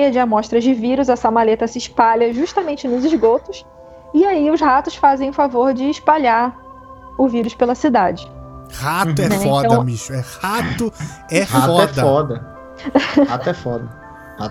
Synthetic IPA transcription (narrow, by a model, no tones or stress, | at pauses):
jɐd͡ʒɪamɔʃt̪ɾɐzd͡ʒɪviɾʊzɐsamalet̪ɐsɪːʃpaʎɐʒuʃt̪ɐmẽnt͡ʃɪnʊzɪʒɡot̪ʊs | ɪaiʊzhat̪ʊsfazẽj̃ʊfavoɾd͡ʒɪːʃpaʎaɾ | ʊviɾʊspelɐsid̪ad͡ʒɪhat̪ʊɛnfɔdtɐ̃w̪ɐ̃miʃʊɛhat̪ʊɛhatfɔɛdfɐɔd̪ɐ | aɛfɔd̪ɐ | ha̰